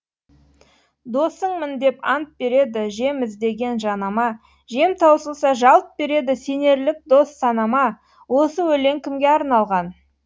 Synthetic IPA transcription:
d̪o̞səɴmɪnd̪e̞pɑnt̪̚be̞ɾe̞d̪ɪʒe̞mɪzd̪e̞ɡʲe̞nʒɑnɑmɑ | ʒe̞mt̪ʰɑwsəlˠsɑʒɑlˠp̪̚be̞ɾe̞d̪ɪse̞ne̞ɾlɪk̚d̪o̞sːɑnɑmɑ | wo̞səwɵle̞ŋkʲɪmɡʲe̞ɑɾnɑlˠʁɑn

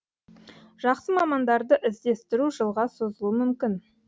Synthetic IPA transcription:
ʒ̥ɑqsəmɑmɑnd̪ɑɾd̪əʔɪzd̪e̞st̪ɪɾuʒəlˠʁɑso̞zəlˠuəmʏmkʲɪn

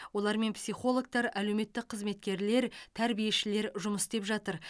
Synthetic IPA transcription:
wo̞lˠɑɾme̞npsʲiχo̞lˠo̞k̚t̪ɑɾæle̞wme̞t̪ːɪk̚qʰəzme̞t̪̚kʲe̞ɾle̞ɾt̪ʰæɾbije̞ʃɪle̞ɾʒʊməst̪e̞pʒɑt̪əɾ

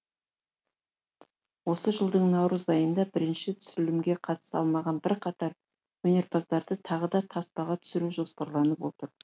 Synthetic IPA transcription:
wo̞səʒəlˠd̪əɴnɑwɾəzɑjənd̪ɑbɪɾɪnʃɪt̪ʰʏ̥sɪlɪmɡʲe̞qʰɑt̪ə̥sɑ̰lˠmɑʁɑnbɪɾqʰɑt̪ɑɾ | wɵne̞ɾbɑzd̪ɑɾd̪ət̪ʰɑʁəd̪ɑt̪ʰɑspɑʁɑt̪ʰʏ̥sɪɾuʒo̞spɑɾlˠɑnəpwo̞t̪əɾ

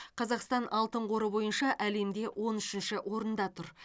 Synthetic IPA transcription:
qʰɑzɑqst̪ɑnʔɑlˠt̪əɴqo̞ɾəbo̞jənʃɑʔæle̞md̪e̞wʔo̞nʏʃɪnʃɪʔwo̞ɾənd̪ɑt̪ʰʊɾ

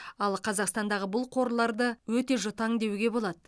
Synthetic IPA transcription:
ɑlˠqʰɑzɑqst̪ɑnd̪ɑʁəbʊlˠqʰo̞ɾlˠɑɾd̪əwɵt̪e̞ʒʊt̪ɑŋd̪e̞wɡʲe̞bo̞lˠɑd̪ə

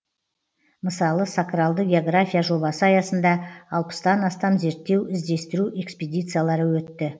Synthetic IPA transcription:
məsɑlˠəsakralˠd̪əɡʲe̞o̞ɡrafʲijaʒo̞bɑsəɑjɑsənd̪ɑɑlˠpə̥st̪ɑnɑst̪ɑmze̞ɾt̪ːe̞wɪzd̪e̞st̪ɪɾuʔe̞ksped̪ʲijt̪sɨjalˠɑɾəwɵt̪ːɪ

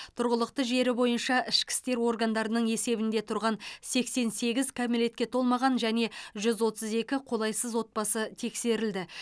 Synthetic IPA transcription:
t̪ʰʊɾʁəlˠəq̚t̪əʒe̞ɾɪbo̞jənʃɑʔɪʃkʲɪ̥st̪e̞ɾo̞rɡand̪ɑɾənəɴe̞se̞bɪnd̪e̞t̪ʰʊɾʁɑnse̞kse̞nse̞ɡʲɪzkʰamile̞t̪̚kʲe̞t̪ʰo̞lˠmɑʁɑnʒæne̞ʒʏzwo̞t̪əze̞kʲɪqʰo̞lˠɑjsəzwo̞t̪̚pɑsət̪ʰe̞kse̞ɾɪld̪ɪ

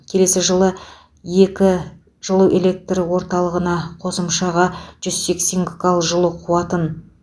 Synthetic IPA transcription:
kʲʰe̞le̞sɪʒəlˠə | je̞kʲɪ | ʒ̥əlˠuʔe̞lʲe̞k̚t̪rəwo̞ɾt̪ɑlˠəʁənɑqʰo̞səmʃɑʁɑʒ̥ʏzse̞kse̞ŋɡʲɪkʰalˠʒəlˠəqʰuɑt̪ən

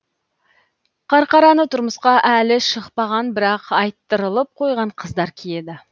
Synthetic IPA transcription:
qʰɑɾqɑɾɑnət̪ʰʊɾməsqɑʔælɪʃəqpɑʁɑnbɪɾɑqɑjt̪ːəɾəlˠəp̚qʰo̞jʁɑɴqʰəzd̪ɑɾkʲʰije̞d̪ɪ

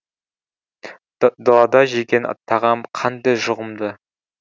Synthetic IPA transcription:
d̪olˠɑd̪ɑʒekʲenɑ̰t̪ʰːɑʁɑmqʰɑnd̪ɑjʒʊʁəmd̪ə

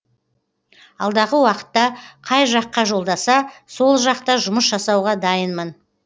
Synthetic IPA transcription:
ɑlˠd̪ɑʁəwɑqə̥t̪ːɑqʰɑjʒɑqːɑʒo̞lˠd̪ɑsɑso̞lˠʒɑq̚t̪ɑʒʊməsʒɑsɑwʁɑd̪ɑjənmən

